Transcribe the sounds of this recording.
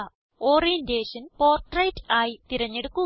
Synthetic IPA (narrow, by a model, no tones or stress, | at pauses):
oːrijɐndeːʂɐnpo̞ːrʈrɐjtːaːjit̪iɾɐɲːe̞ɽukːu